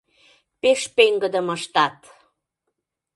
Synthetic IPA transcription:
peʃpeŋɡəd̪əməʃt̪ɑt̪

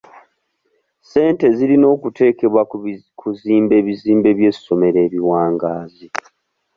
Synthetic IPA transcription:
se̞ːnte̞ziɾino̞ːkute̞ːke̞βwa | kʰuziːmbe̞βiziːmbe̞βje̞ːsso̞me̞ɾe̞ːβiwaːŋɡaːzi

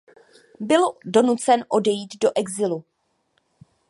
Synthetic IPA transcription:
bɪldo̞nut͡sɛnʔo̞dɛjiːd̪do̞ʔɛɡzɪlu

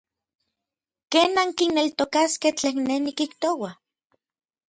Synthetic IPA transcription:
keːnaŋkinːelt̪okaskeht͡ɬeːnnːenikiht̪owa

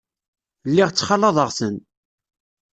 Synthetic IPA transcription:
lːiʁt͡sːχɑlːɑðˤəʁsən

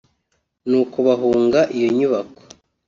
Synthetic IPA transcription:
nuːkoβaɦuːŋɡaʔijoɲuβako̥

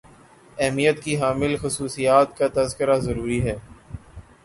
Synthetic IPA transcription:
ɛɦmijət̪kiɦaːmɪlxʊsuːsijaːt̪kat̪ɐzkɪɾazɐɾuːɾiɦɛː

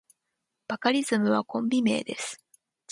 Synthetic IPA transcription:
b̥akaɾʲizɨmɯ̟β̞akõ̞mbʲime̞ːd̪e̞sɨ̥

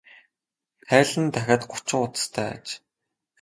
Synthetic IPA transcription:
χæːɮɘ̆nt̪ʰæxʲaːt̪ɢʊ̥t͡ɕɪ̆ŋʊt͡sst̪ʰæːa̰t͡ɕ

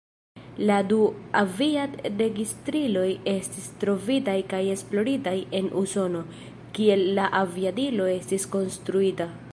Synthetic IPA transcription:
laduaviatɾe̞ɡistɾilo̞je̞stistɾo̞vitajkaje̞splo̞ɾitaje̞nʔuso̞no̞ | kie̞lːaʔaviadilo̞e̞stisko̞nstɾuita

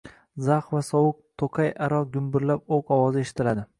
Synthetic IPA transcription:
zaχvasɒwʊk̚t̪ʰoqʰajaɾɒɡʲʊmbɪɾlap̚oqɒwɒzɪe̞ʃɪ̥t̪ʰɪlad̪ɪ

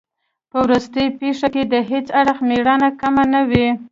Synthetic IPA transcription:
pəwɾust̪əjpeʂaked̪əɦet͡saɽxmeɽɑnakamanawi

